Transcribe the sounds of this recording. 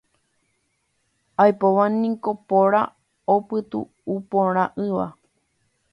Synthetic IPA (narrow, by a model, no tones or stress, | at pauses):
ajpoʋanĩko̞poɾa | opɨt̪ṵː | põɾ̃ãʔɨʋa